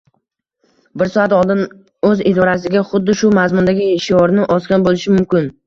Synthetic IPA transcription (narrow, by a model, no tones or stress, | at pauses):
bɪɾsɒat̪ɒlˠd̪ɪn | ɵzɪd̪ɒɾasɪɡʲaχʊd̪ːɪʃʊmazmʊnd̪aɡʲɪeʃɪɒɾnɪʔɒskʲanbolɪʃɪmʊmkʲɪn